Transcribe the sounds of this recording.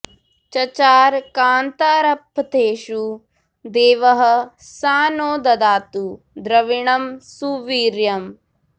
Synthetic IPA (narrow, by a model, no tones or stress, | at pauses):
t͡ʃɐt͡ʃaːɾkaːnt̪aːɾɐpːɐt̪eːʃu | d̪eːʋɐɦɐ̆saːnoːd̪ɐd̪aːt̪u | d̪ɾɐʋiɳɐmsuːʋiːɾjɐm